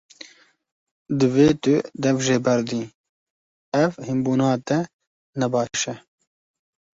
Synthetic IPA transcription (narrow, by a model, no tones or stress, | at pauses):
d̪ɨveːt̪ʊd̪ɛvʒeːbɛɾd̪iː | ɐvhimbuːnɑːt̪ɛ | nɛbɑːʃɛ